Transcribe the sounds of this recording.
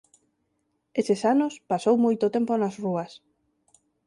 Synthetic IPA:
esesanʊspasowmojt̪ot̪emponasruɐs

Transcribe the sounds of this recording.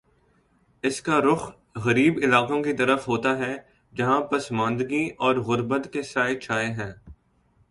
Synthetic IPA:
ɪskaɾʊx | ɣɐɾiːbɪlaːqõkit̪ɐɾəfɦoːt̪aɦɛ | d͡ʒɐɦãpɐsmãːnd̪ɡiʔɔːɾɣʊɾbət̪kesaːɪt͡ʃʰaːeɦɛ̃ː

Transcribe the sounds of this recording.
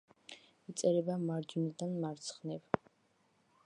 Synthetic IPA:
it̪sʼɛɾɛbamaɾd͡ʒunid̪anmaɾt̪sʰχnɛv

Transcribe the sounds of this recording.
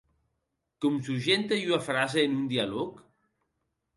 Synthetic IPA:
komsuʒent̪ejunafɾazeːnund̪ialok

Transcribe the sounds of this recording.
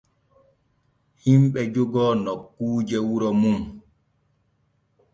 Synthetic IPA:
himɓɛd͡ʒuɡɔnɔkːuːd͡ʒɛwuɾɔmum

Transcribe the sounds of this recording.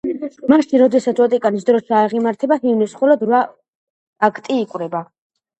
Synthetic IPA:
maʃinɾɔd̪ɛsat̪sʰwɔt̪ʼikʼanis̬d̪ɾɔʃiaʁimaɾt̪ʰɛbahivnɛsχɔlɔd̪ɾwaː | kʰt̪ʼiːkʼwɾɛba

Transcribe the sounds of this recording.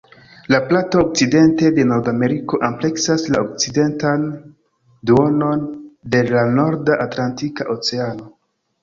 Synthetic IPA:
laplatoːk̚t͡side̞nte̞de̞no̞ɾdame̞ɾiko̞ʔample̞ksaslaok̚t͡side̞ntan | duo̞no̞nde̞lano̞ɾdaʔatlantikaʔo̞t͡se̞ano̞

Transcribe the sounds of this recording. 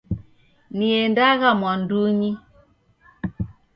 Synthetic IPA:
niɛndaɣamwanduɲi

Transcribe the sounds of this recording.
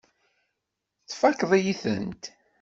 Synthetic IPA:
θfækːðˤijiθə̰nt̪

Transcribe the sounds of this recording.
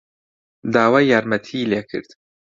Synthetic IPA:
d̪aːwaːjaːɾmɐt̪ʰileːkʰɨ̰ɾd̪̥

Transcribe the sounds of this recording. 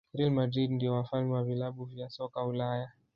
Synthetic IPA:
ɾilmadɾidndijɔwafalmɛwavilaɓuvjasɔkaulaja

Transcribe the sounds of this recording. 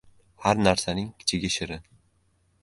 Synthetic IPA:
haɾnaɾsanɪŋkʲʰɪ̥t͡ʃʰɪɡʲaʃɪɾɪ

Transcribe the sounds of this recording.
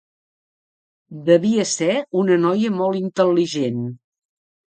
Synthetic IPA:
d̪əβiəsɛunənɔjəmɔlˠint̪əlːiʒen

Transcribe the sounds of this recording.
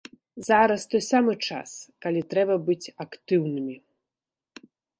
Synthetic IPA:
zaɾɐst̪ɔjsamɨt͡ʂa̰skalʲit̪ɾɛbɐbɨt͡sʲakt̪ɨwnɨmʲi

